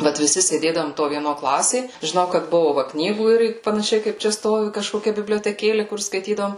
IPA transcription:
ˈʋɐt ʋʲɪˈsʲɪ sʲeːˈdʲeːdɐʋoːm toː ʋʲiɛˈnoː ˈklˠɑːsʲeː ʒʲɪˈnɐʊ kɐt ˈbʊʋʊ ʋɐ ˈknʲiːɡuː ˈɪr pɐnɐˈʃʲɛɪ kɐɪp ˈt͡ʃʲɛ ˈstoːʋʲɪ kɐʃkoːˈkʲɛ bʲɪbʲlʲoːtʲɛˈkʲeːlʲɪ kʊr skɐɪˈtʲiːdɐʋoːm

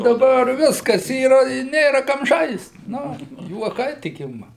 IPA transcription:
dɐˈbɐr ˈʋʲɪskɐs ˈiːrɐ ɪ ˈnʲeːrɐ ˈkɐm ˈʒɐɪst ˈnʊ juɔˈkɐɪ tʲɪk ˈɪmɐ

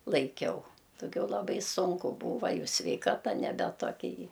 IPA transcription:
lˠɐɪˈkʲɛʊ dɐˈɡʲɛʊ lˠɐˈbɐɪ ˈsʊŋkʊ ˈbuːʋɐ ˈjɛʊ sʲʋʲɛɪˈkɑːtɐ nʲɛˈbʲɛ toːˈkʲɛ jiː

